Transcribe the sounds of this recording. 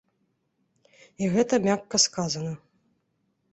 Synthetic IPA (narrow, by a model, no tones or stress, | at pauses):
iɣɛt̪ɐmʲakːɐskazɐnɐ